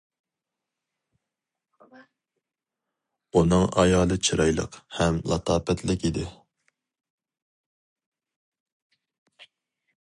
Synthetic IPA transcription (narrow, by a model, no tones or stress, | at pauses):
unɨŋɑjɑːlˠɨt͡ʃʰiɾɑjlˠə̰qhɛmlˠɑ̰t̪ʰɑːpɛt̪ʰlɪkʲid̪ɪ